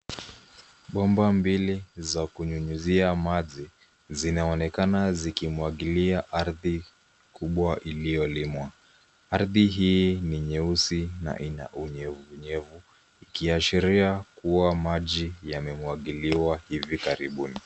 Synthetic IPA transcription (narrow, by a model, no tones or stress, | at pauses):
ɓɔmbambilizakuɲuɲuziamaʄi | zinaɔnɛkanazikimwaɠiliaʔaɾði | kuɓwaʔilijɔlimwa | aɾðiɦiniɲɛusina̰ʔina̰ʔuɲɛvuːɲɛvu | ikiaʃiɾiakuwamaʄijamɛmwaɠiliwahivikaɾiɓuni